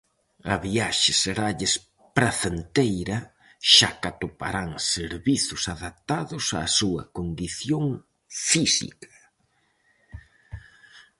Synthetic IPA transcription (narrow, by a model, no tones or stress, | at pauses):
ɐβiaʃɪseɾaʎɪs | pɾaθent̪ejɾɐ | ʃakat̪opa̰ɾaŋseɾβiθʊsaðap̚t̪aðʊsɐ̰ːsuɐ̰kond̪iθjoŋ | fisḭkɐ̥